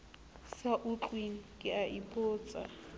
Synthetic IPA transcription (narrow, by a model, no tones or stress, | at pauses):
saʔʊt͡ɬʼweŋ̩kʼɪaʔipʰʼʊːt͡sʼa̰